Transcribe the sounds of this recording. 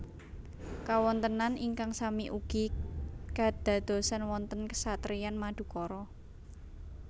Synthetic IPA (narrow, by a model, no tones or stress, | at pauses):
kawɔnt̪ənaniŋkaŋsamiʔuɡ̥ika̤d̪̥a̤d̪̥o̤sanwɔnt̪ənkə̥sat̪ɾijanmad̪̥ṳkɔɾɔ